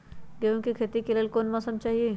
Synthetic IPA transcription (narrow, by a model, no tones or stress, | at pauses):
ɡeʋũkikʰet̪ikeləlkoːnmɔːsəmt͡ʃaːɦie